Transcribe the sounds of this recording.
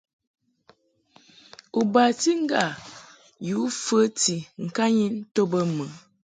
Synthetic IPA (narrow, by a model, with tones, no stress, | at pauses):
u˨ba˨ti˦ŋ̩˦ɡa˨ | ju˨˦fə˦ti˨ŋ̩˨ka˦ɲi˦n̩˦to˦bə˦mə˨˦